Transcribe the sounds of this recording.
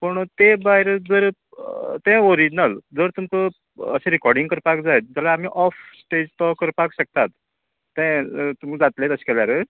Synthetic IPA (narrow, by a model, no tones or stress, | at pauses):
pəɳt̪ẽbaɦiɾed͡zəɾ | t̪ɛ̃oɾid͡ʑnəld͡zəɾt̪umt̪ə | ə̰sẽɾikɔɾɖĩŋɡkəɾpakd͡zajt̪̚d͡ʑalaːm̤iːʔɔfsʈed͡ʑt̪ɔkəɾpakɕək̚t̪at̪ː | ɛ̃t̪umd͡zat̪let̪əskɛljaɾe